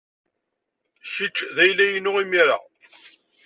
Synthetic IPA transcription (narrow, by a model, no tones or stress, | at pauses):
çit͡ʃːðæjlːæjənːʊʁimiɾa̰